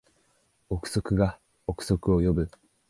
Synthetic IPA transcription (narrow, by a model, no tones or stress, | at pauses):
okɯ̟̥so̞kɯ̟ɡa | okɯ̟̥so̞kɯ̟o̞jo̞bɯ̟